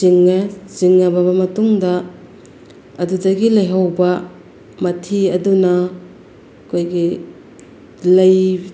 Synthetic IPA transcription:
ziŋziŋːɐbɐbɐmɐtuŋdɐ | ɐdudɐɡilɐjɦɐwbɐ | mɐtʰiɐdunɐ | kʰojɡi | lɐj

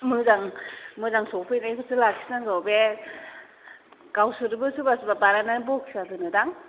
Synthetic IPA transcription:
mɯzaŋmɯzaŋsɔpʰɯjnajkʰɯsʰɯlakʰi̥saŋɡawbe | ɡawsɯɾbɯsubasubabaɾananbɔkʰi̥sadɯnɯdaŋ

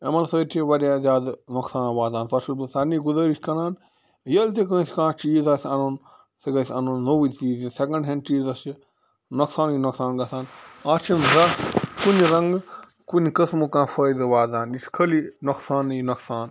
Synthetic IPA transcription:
emɐnsɐːt̪ʰiʋɐɾʲjaːd͡ʒaːd̪noksaːnʋaːd̪aːnt̪ɐʃubsɐniɡuzəːɾiʃʰʲkɐnaːn | jɐlt̪̬ek̬ə̃ːsʲkãːt͡ʃiːzasʲɐnun | sɐɡɐsʲɐnunːowit̪iːzinsekɐ̃ɳɖɦɐnt͡ʃiːzɐsi | noksaːninoksaːnɡɐsaːnat͡ʃʰinɾɐkunɾɐŋɡ | kunkɐsmukãːfəːjd̪ɨʋaːd̪aːniskʰəlinoksaːnːnɐksaːn

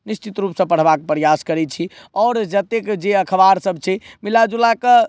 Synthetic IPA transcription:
nist͡ʃit̪ɾupsə̃pəɽ̤bakpɾəjaskəɾɛt͡ʃʰi | ɔːɾd͡ʒət̪ekd͡ʒeəkʰəbaɾsəbʱt͡ʃʰɛmilad͡ʒulakə

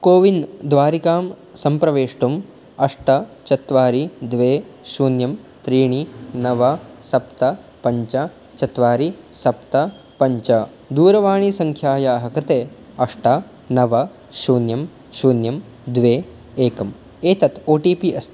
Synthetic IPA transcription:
koːʋind̪ʋaːɾikaːm | sɐmpɾɐʋeːʂʈum | ɐʂʈɐt͡ʃɐt̪ʋaːɾid̪ʋeːʃuːnjɐmt̪ɾiːɳinɐʋɐsɐpt̪ɐ | pɐɲt͡ʃɐ | t͡ʃɐt̪ʋaːɾisɐpt̪ɐ | pɐɲt͡ʃɐ | d̪uːɾɐʋaːɳisɐŋkʰjaːjaːɦɐkɾɪt̪eː | ɐʂʈɐ | nɐʋɐ | ʃuːnjɐm | ʃuːnjɐm | d̪ʋeː | eːkɐm | eːt̪ɐt̪oːʈiːpiʔɐst̪ʰ

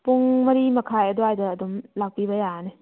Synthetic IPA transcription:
puŋmɐɾimɐkʰajɐdoajdɐːdumlawpibɐjane

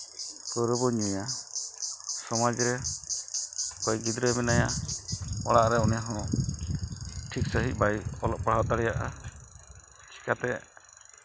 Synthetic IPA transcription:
kəɾɔbɔɲɛja | sɔmad͡ʒɾɛ | kɔjɡid̪ɾəmɛnaja | ɔɽaʔɾɛɔnɛɦɔ̃ | ʈʰiksəɦit̪̚ˀbajɔlɔʔ̚paɽ̤awt̪aɽɛjaʔa̰ | t͡ʃʰi̥kat̪ɛ

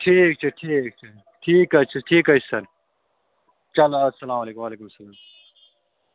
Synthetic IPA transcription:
ʈʰiːk̚t͡ʃʰɐʈʰiːk̚t͡ʃʰɐl | ʈʰiːkɐt͡ʃʰɐʈʰiːkɐsɐɾ | t͡ʃɐlɐsɐlaːmɐleːkumʋaːleːkumsɐlaːm

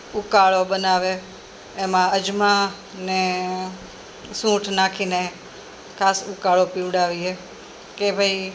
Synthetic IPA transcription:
ukaɭoɓənaʋeː | mãəd͡ʒmã | ne | sũʈʰnakʰine | kʰaːsukaɭopiʋɽaʋiɦe | kebʱəi

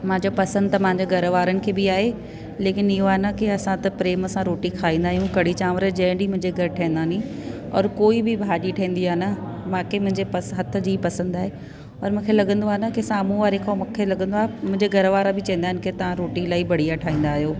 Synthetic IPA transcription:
mãːɲd͡ʑopɐsə̃nd̪ɐmãːɲd͡ʑoɡʱɐɾəʋaːɾənɪ̆kʰeːbɪaːɦe | leːkɪnɪɦoaːɦnɐkiɐsãt̪ɐpɾeːməsãɾoːʈikʰaːĩːn̆d̪aːɦijũkɐɽ̤it͡ɕaːmɾəd͡ʑɐ̃ɦɪ̃ɳɖimʊ̃ɦɪ̃ɲd͡ʑeɡɐɾʈʰɐẽnd̪aːnĩ | ɔ̰ːɾkoːibɪbʱaːɗiʈʰɐĩːn̆d̪iaːnɐmãːkemʊ̃ɦɪ̃ɲd͡ʑepɐsɦɐt̪ʰə̆d͡ʑiːpɐsə̃nd̪aːɦe | ɔːɾmũːkʰelɐɡə̃nd̪oaːɦnɐkɪsaːmũʋaːɾekʰamkʰelɐɠə̃nd̪oaːɦemʊ̃ɦɪ̃ɲd͡ʑeɡɐɾʋaːɾabɪt͡ɕɐ̃n̆d̪aːɦɪnɪkɪt̪ɐʋ̤ãɾoːʈilaːibɐɽ̤ijaʈʰaːɦĩːn̆d̪aːɦijoː

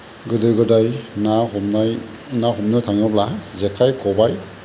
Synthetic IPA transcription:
ɡɯdɯjɡɯdajnahɔmnaj | naɦɔmnɯtʰaŋɯblazekʰajkʰɔbaj

